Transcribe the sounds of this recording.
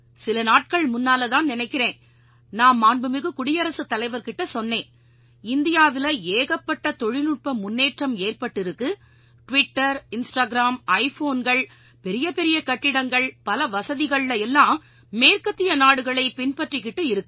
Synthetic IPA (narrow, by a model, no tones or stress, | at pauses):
sɪlɐnaːʈ̚kɐɭmʊnːaːlɐðaːnnɪnɐɪkːɪɾeːn | naːmmaːɳbɯmɪɣɯkʊɽɪjɐɾɐsɯt̪ːɐlɐɪʋɐɾkɪʈːɐsɔnːeːn | ɪnd̪ɪjaːʋɪlɐeːɣɐpːɐʈːɐt̪ɔɻɪlɯʈ̚pɐmːʊnːeːʈrɐmeːrpɐʈːɪɾɯkːɯ | ʈʋɪʈːɐɾɪnsʈaːɡɪɾaːmɐɪfoːnɡɐɭ | pɛɾɪjɐpɛɾɪjɐkɐʈːɪɽɐŋɡɐɭpɐlɐʋɐsɐðɪɣɐɭlɐɛlːãːm | meːrkɐt̪ːɪjɐnaːɽɯɣɐɭɐɪpɪnpɐʈrikːɪʈːɯɪɾɯkːɯ